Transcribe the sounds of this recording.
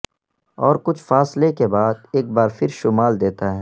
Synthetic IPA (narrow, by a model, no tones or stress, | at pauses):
ɔːɾkʊt͡ʃʰfaːslekebaːd̪̚eːk̚baːɾfɪɾʃʊmaːld̪eːt̪aɦɛː